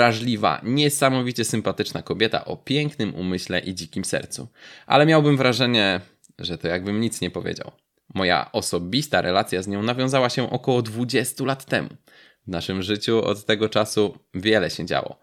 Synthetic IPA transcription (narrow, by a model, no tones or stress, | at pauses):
ɾaʐlʲiva̰ɲɛsamɔvʲit͡ɕɛsɘmpat̪ɘt͡ʂnakɔbʲjɛt̪a̰ʔɔpʲjɛŋknɘmṵmɘɕlɛʔid͡ʑikʲimsɛ̰ɾt̪sṵʔa̰lɛmʲjawbɘmvɾaʐɛɲɛ | ʐɛt̪ɔjaɡ̚bɘmɲit̪sɲɛpɔvʲḛd͡ʑa̰w | mɔja̰ʔɔsɔbʲist̪aɾɛlat̪sʲjazɲɔ̃navʲjɔ̃zawaɕɛʔɔkɔwɔd̪vud͡ʑɛst̪ulat̪ːɛmu | vnaʂɘmʐɘt͡ɕuɔ̰t̪ːɛɡɔt͡ʂasuvʲjɛlɛɕɛd͡ʑa̰wɔ̰